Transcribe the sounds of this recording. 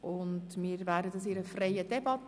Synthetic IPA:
ʔʊndmiːɾvæːdədɑsɪɾəfreɪjədɛbɑt̪

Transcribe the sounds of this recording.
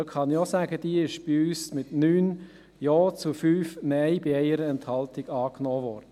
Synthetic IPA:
kʰχɑnosæːɡəd̥iːɪʃb̥iyːsmɪtnyːn | joːt͡sufyːfmɛɪbiɛɪəɾəɛnthɑlt̪ɪɡ̥ɑːknɔːʋɔːɾd̥ə

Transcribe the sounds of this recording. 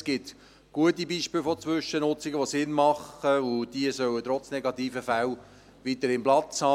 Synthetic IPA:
sɡ̥ɪt | ɡ̥uətibiːʃpɪːlfot͡sʋʏʃənʊt͡sɪɡəʋosɪnmɑχəʊd̥iəsœwət̪ɾɔt͡snɛɡɑt̪iːfəfæw | ʋit̪əɾɪmplɑt͡shɑː

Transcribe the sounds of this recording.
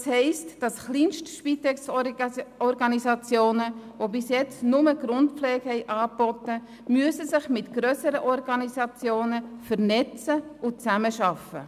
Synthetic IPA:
shɛɪstd̥ɑsχliːnʃtʃpitɛks | ɔɾɡɑnisɑt͡sjoːnəʋobɪsjɛt͡snʊməɡ̥ɾʊntpp͡fflɛːɡhɛɪʔɑːbɔtə | myəsəsɪχmɪtɡ̥ɾøsəɾəʔɔɾɡɑnisɑt͡sjoːnəfəɾnɛt͡səʊt͡sæməʃɑfə̰

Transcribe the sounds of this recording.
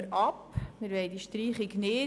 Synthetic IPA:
ɾʔɑpmɪɾʋɛɪdiʃtriːχɪɡnɪː

